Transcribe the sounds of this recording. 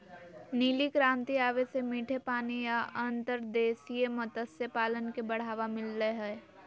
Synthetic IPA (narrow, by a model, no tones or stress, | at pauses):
niːlikɾãːnt̪iaːʋesemiːʈʰepaːnijaənt̪əɾd̪eːsijemət̪əsjəpaːlənkebəɽ̤aːʋamɪlːeɦɛː